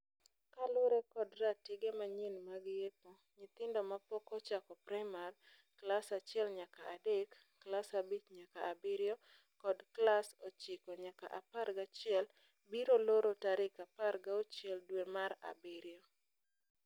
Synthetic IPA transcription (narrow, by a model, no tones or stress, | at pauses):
kalʊɾekɔdɾatɪɡemaɲinmaɡɪjepo | ɲɪt̪ɪndomapɔkɔt͡ʃakɔpɾɛmal | klasat͡ʃɪɛlɲakaːdekː | lasabit͡ʃɲakaːbɪɾjo | kɔdklasot͡ʃɪkɔɲaka̰ʔa̰paɾɡat͡ʃɪɛl | biɾoloɾotaɾɪkapaɾɡaot͡ʃjɛldwemaɾa̰bɪɾjo